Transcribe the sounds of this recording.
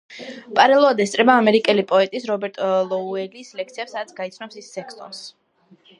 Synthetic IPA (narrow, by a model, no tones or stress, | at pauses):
pʼaɾɛlˠɔad̪ɛst̪sʼɾɛbaːmɛɾikʼɛlipʼɔɛt̪ʼisɾɔbɛɾt̪ʼlˠɔuɛlislɛk̚ʰt̪sʰiɛpsad̪at̪sʰɡait̪sʰnɔpsisːɛkʰsʼɔ̰ns